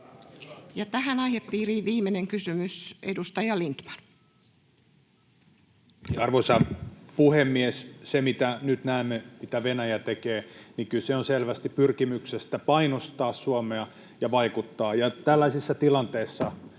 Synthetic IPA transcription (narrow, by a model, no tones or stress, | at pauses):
jɑt̪æhænɑiheppiːriːʋiːmeneŋkysymysedust̪ɑjɑlint̪mɑ̥n | ɑrʋosɑpuhemːiessemit̪ænyt̪næemːemit̪æʋenæjæt̪ekeːniŋkylseonselʋæst̪ippyrkimyksest̪æpɑinost̪ɑːssuomeɑ | jɑʋɑikut̪ːɑːjɑt̪ælːæsisːɑt̪ilɑnt̪eːsːɑ